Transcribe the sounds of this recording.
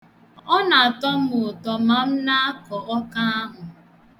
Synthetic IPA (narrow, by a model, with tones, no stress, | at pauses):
ɔ˦na˨a˨tɔ˦m̩˦ʊ˨tɔ˨ma˨m̩˦na˦a˦kɔ˨ʔɔ˦ka˦a˦ɦʊ˨